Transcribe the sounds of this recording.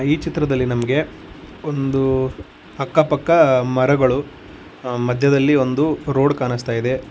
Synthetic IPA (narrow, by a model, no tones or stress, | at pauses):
iːt͡ʃit̪ɾɐd̪ɐlːinɐmɐɡe̞ | o̞nd̪u | ɐkːɐpɐkːɐmɐɾɐɡɐɭu | mɐd̪ʱjɐd̪ɐlːio̞nd̪uɾo̞ːɖkaːnist̪aːjid̪e̞